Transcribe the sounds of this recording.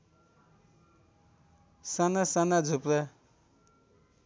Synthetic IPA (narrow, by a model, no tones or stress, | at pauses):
sanasanad͡zʱupɾʌ